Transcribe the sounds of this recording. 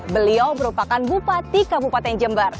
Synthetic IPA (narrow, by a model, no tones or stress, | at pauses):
bəliawməɾupakanbupat̪ikabupat̪aŋd͡ʒəmbar